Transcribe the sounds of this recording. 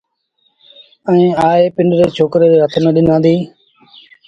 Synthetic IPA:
ɛ̃ĩːaːeːpɪ̃ɳɖɾeːt͡ʃʰoːkɾeːɾeːɦət̪ʰnəɗɪnãːnd̪iː

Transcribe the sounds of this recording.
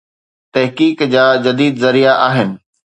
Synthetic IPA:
t̪ɐɦkiːkd͡ʑaːd͡ʑɐd̪iːd̪zɐɾijaʔaːɦɪnɪ̆

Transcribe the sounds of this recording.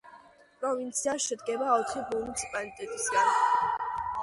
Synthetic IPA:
pʼɾɔvint̪sʰiaʃɛd̪ɡɛbaɔt̪ʰχibuunit̪sʰi̥pʼalit̪ʼɛt̪ʼisɡan

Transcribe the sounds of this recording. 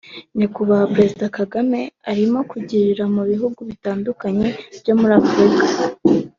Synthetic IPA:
nikuβahapɾe̞zidakaɡame̞aɾimo̞kuɟiɾiɾamuβiɦuɡuβitaːndukaɲe̞bjo̞muɾiafuɾikḁ

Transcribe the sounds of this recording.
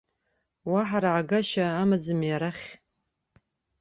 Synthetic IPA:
waħaɾaʕaɡaʃaːmad͡zɨmjaɾaχʲ

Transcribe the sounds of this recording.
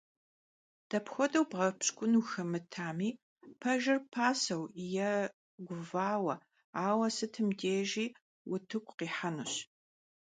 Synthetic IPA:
d̥ɐpxʷɔdɐwbʁɐpɕkʷʼʊnuxɐmɨtʰaːmiː | pʰɐʒɪrpʰaːsɐwjɛ | ɡʷʊvaːwɐ | aːwɐsɨtʰɨmdeːʒiː | wʊtʰɨkʷʰʼqiːħanuɕ

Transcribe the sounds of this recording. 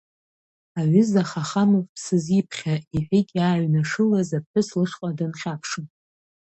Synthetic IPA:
aɥʏzaχaχamovpʰsɨzipʰχʲaiħʷᶣikʲʼaːɥnaʂɨlazapħʷɨslɨʂqʼadanχʲapʰʂɨm

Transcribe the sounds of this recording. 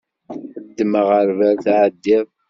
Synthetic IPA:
əd̪ːəməʁəɾvəɾθʕəd̪ːɪð

